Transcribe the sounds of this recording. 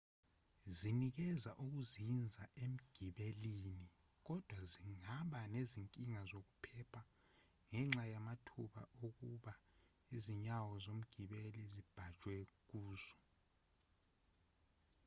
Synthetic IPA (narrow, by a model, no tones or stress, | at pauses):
zinik̬ɛzaʔuk̬uzind͡zʱaem̩ɡ̥ʱiɓelini | k̬ɔd̥ʱwaziŋaɓaneziŋkʼiŋazok̬upʰɛpʰa | ŋɛŋ͡ǁajamatʰuɓaʔok̬uɓa | iziɲawɔzom̩ɡ̥ʱiɓelizib̥ʱḁt͡ʃʼwɛk̬uːzɔ